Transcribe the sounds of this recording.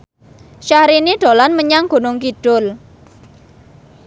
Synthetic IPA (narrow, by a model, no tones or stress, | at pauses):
ʃahɾiniɖ̪̥o̤lanməɲaŋɡ̥o̤nʊŋkiɖ̥ʊl